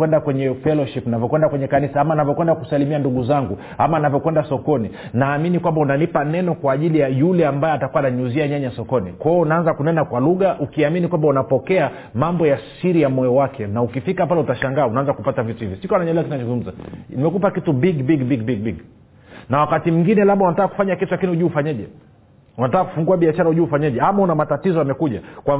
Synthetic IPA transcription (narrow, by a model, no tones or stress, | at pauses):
wɛndakwɛɲɛfɛlɔʃipnavjɔkwɛndakwɛɲɛkanisaamaːnavjɔkwɛndakusalimianduɠuzaŋɡu | amaːnavjɔkwɛndasɔkɔni | naːminikwambaunanipanɛnɔkwaːʄilijajulɛambajɛatakuanaɲuziaɲaɲasɔkɔnikaɔunaanzakunɛnakwaluɣaʔukiaminikwambaunapɔkɛa | mambɔjasiɾijamɔjɔwakʰɛnaukifikapalautaʃaŋɡaːunaanzakupatavituhivisikwanaɲalɛakitnat͡ʃzuŋɡum̩zanimɛkupakitubiɡbiɡbiɡbiɡ̚biɡ | nawakatim̩ŋɡinɛlaɓaunatakaku̥faɲakitulakinihuʄuːfaɲɛʄɛ | unatakːaku̥fuŋɡuaɓiaʃaɾauʄuufaɲɛʄɛamaunamatatizɔamɛkuʄakwa